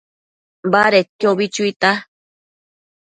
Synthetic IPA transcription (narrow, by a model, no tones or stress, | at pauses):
baɾet̪joβit͡ʃuit̪a